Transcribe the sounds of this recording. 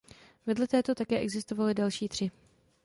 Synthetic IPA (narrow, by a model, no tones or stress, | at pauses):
vɛdlɛt̪ɛːt̪o̞t̪akɛːʔɛɡzɪst̪ovalɪdɛlʃiːt̪r̝̥ɪ